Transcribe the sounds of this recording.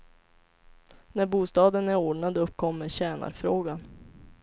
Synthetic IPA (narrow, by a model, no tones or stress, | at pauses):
næɾbuːst̪ɑːd̪ənæɾoːɖɳad̪ɵpːkʰɔmːəɾɕɛːna̰ɾfɾoːɡan